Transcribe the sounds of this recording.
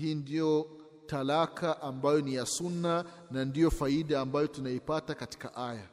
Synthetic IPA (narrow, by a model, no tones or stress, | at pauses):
hiːndijɔ | talakʰaʔambajɔnijasunːa | nandijɔfaiɗaːmbajɔtunaipatakati̥ka̰ʔaja